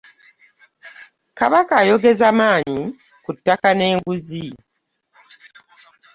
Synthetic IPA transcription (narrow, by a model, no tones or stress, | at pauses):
kaβakaːjo̞ɡe̞zamaːɲi | kutːakane̞ːŋɡuzi